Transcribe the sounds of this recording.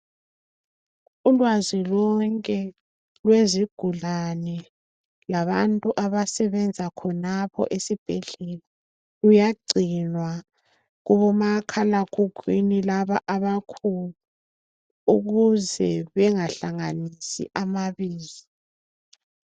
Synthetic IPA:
ulwazilɔŋkʼɛ | lweziɡ̥ʱuɮanɛ | laβantʼuʔaβasɛβɛnd͡zʱakʰɔnapʰɔ̰ʔesib̥ʱɛɮɛla | ujaɡ͡ǀʱinwa | ɣuβɔmakʰalaɡ̥ʰʱuɡ̥ʱwḭnilaβaʔaβakʰulu | uɣuzɛβɛŋaɬaŋanisḭʔamaβiːzi

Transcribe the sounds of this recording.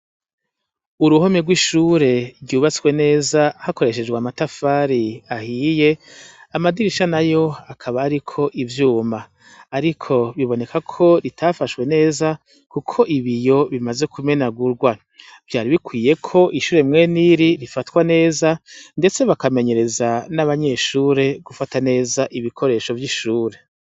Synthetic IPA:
uɾuho̞meɡwiʃuːɾe̞ɾɟuːβat͡swe̞ne̞ːzahako̞ɾe̞ʃ̬e̞d͡ʒɡweamatafaːɾiahije̞amadiɾiʃanajo̞akʰaβaːɾikʰo̞ʔivjuːmaː | ɾikʰo̞βiβo̞ne̞kakʰo̞ɾitʰafaʃkwe̞ne̞ːza | kukʰo̞ʔiβijo̞βimaze̞kʰume̞naɡuɾɡwa | v̥jaːɾiβikwiːje̞kʰo̞ʔiʃuːɾe̞mŋe̞ːniɾiɾifatkwane̞ːzande̞t͡se̞βakame̞ɲe̞ɾe̞zanaβaɲe̞ʃuːɾe̞ɡ̥ufatane̞ːzaʔiβikʰo̞ɾe̞ːʃo̞vjiʃuːɾe̞

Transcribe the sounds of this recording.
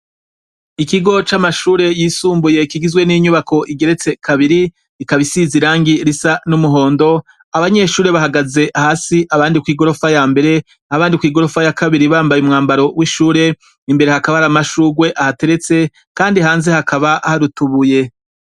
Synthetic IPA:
ikiɡo̞t͡ʃamaʃuːɾe̞jiːsuːmbuje̞kiɡizɡwe̞niɲuβakʰo̞ʔiɡe̞ɾe̞t͡se̞kaβiɾi | ikaβisiziɾaːŋɡiɾisanumuɦo̞ːndo̞ | aβaɲe̞ʃuːɾe̞βahaɡaze̞ʔahasiʔaβaːndikwiːɡo̞ɾo̞fajaːmbe̞ɾe̞ | aβaːndikwiːɡo̞ɾo̞fajakʰaβiɾiβaːmbajumŋaːmbaɾo̞wʔiʃuːɾe̞ | imbeɾe̞hakaβahaɾamaʃuːɡwe̞ʔahate̞ɾe̞t͡se̞ | kaːndihaːnze̞hakʰaβaʔhaɾutuβuje̞

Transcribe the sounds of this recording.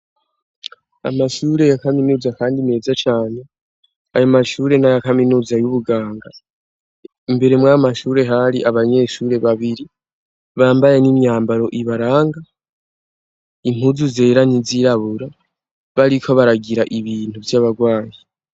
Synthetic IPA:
a̰maʃuːɾe̞jakaminuːzakaːndime̞ːzat͡ʃaːne | ajomaʃuːɾe̞najakaminuːzajuβuɡaːŋɡa | imbe̞ɾe̞mwamaʃuːɾe̞ɦaɾiʔaβaɲe̞ːʃuɾe̞βaβiɾi | βaːmbajenimjaːmbaɾo̞ʔiβaɾaːŋɡa | im̥huzuze̞ːɾaniziɾaβuɾa | βaɾikʰo̞βaɾaɡiɾaʔiβiːn̥uvjaːβaɡwaːɲi

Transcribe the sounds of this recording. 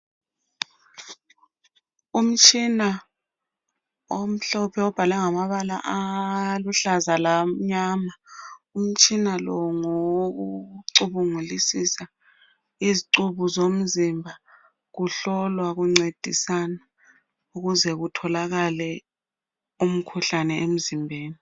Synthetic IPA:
um̩t͡ʃʼʰina | om̩ɬɔɔpʰɛɔb̥ʱalɛŋamaɓala̰ʔaluɬazalam̩ɲaːmaum̩t͡ʃʰʼinalɔŋok̬uǀuɓuŋulisisa | iziǀuɓuzom̩zimbʱa | k̬uɬɔlwak̬uŋ͡ǀed̥ʱisana | uɣuzɛɣ̬utʰɔlaɣalɛ | um̩kʰuɬanɛʔem̩zimbʱeːni

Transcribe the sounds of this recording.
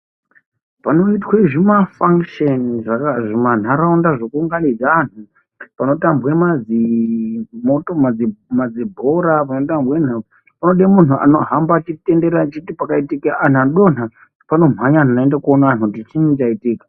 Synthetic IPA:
pano̞itweʐimafaŋkʃeniʐakaʐiman̤aɾaundaʐokuːŋɡanid͡zaan̤u | pano̞tambwemad͡zi | motomad͡zimad͡zibʱoɾap̬ano̞tambwen̤a | panoɗemun̤uʔa̰no̞ɦambat͡ʃitende̞ɾat͡ʃitipakaitikeʔan̤anɗo̞n̤a | pano̞m̤aɲan̤anaendakuonaanutit͡ʃinit͡ʃaitiːkḁ

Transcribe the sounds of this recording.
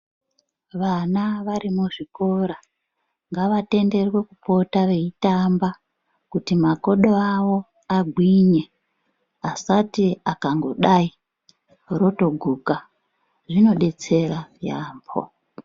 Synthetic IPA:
ʋanaʋaɾimuʐiko̞ɾa | ŋɡaʋate̞nde̞rwe̞kupo̞taʋe̞itamba | kutimako̞ɗoawo̞ | aɡʱwiɲe̞ | asatiakaŋɡo̞ɗai | ro̞to̞ɡʱuːka | ʐino̞ɗe̞t͡se̞raja̰ːmbʰo̰

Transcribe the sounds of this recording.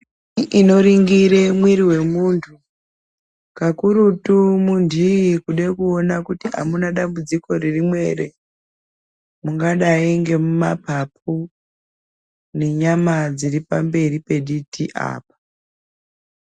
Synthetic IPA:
ʔino̞ɾiŋɡiɾe̞mwiɾiwe̞muntʰu | kakuɾutumundʱiikuɗekuonakutia̰munaɗambud͡ziko̞ririmwe̞ɾe | muŋɡaɗaiŋɡe̞mumapap̚u | ne̞ɲamad͡ziripambe̞ripe̞ɗitʰiʔa̰ːpḁ

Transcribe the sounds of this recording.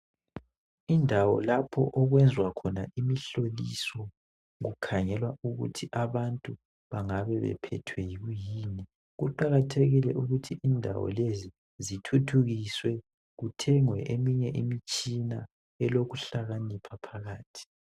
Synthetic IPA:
indʱawɔ̰lapʰɔ̰ʔɔɣwɛnd͡zʱwakʰɔnaʔimiɬolisɔ | ɣukʰaŋɛlwauɣṵtʰiʔaβantʼu | βaŋaβɛβɛ̰pʰɛ̰tʰwɛjiɣujiːni | ɣuǃaɣatʰeɣilɛʔuɣutʰiʔindʱa̰wɔ̰lezi | zitʰutʰuɣiswɛ | ɣutʰɛŋwɛʔemiɲɛʔimit͡ʃʼina | ɛlokuɬaɣanipʰapʰaɣaːtʰi̥

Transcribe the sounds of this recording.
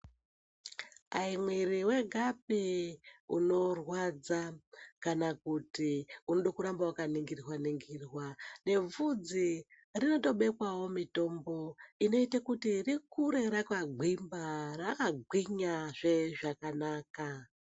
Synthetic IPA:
aimwiriwe̞ɡʱap̚i | uno̞rwad͡zakanakutiunoɗokuɾambawakaniŋɡirrwaniŋɡirwane̞vud͡zi | rino̞to̞ɓe̞kwawo̞mito̞mbo̞ino̞itakutirikuɾe̞ɾakaɡʱwimbarakaɡʱwiɲaʐe̞ʐakanaːka

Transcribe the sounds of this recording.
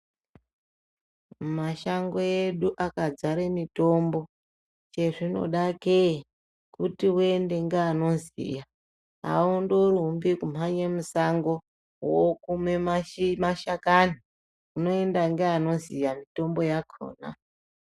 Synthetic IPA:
maʃaŋɡo̞jeɗuʔakad͡zaɾemito̞mbo̞ | t͡ʃe̞ʐino̞̰ɗake | kutiwende̞ŋɡeano̞zḭja | a̰undoɾumbikum̤aɲemusaŋɡo̞ | wokumwe̞amaʃakani | uno̞e̞ndaŋɡeano̞zijamito̞mbo̞jakʰo̰ːna̰

